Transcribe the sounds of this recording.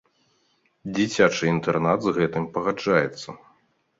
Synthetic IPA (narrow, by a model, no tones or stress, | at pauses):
d͡zʲit͡sʲat͡ʂɨint̪ɛrnad̪zɣɛt̪ɨmpɐɣad͡ʐajɛt̪sːɐ